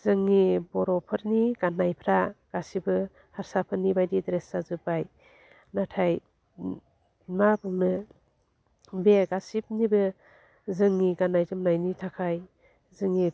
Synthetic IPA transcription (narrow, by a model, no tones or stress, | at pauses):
z̥ɯŋːibɔɾɔpʰɯɾniɡ̥anajpʰɾaɡ̥asibɯ | haɾsapʰɯɾnibajdidɾesazɯbaj | natʰaj | mabɯŋnɯ | beɡasip̚nibɯ | zɯŋniɡanajtɯmnajnitʰakʰaj | zɯŋːi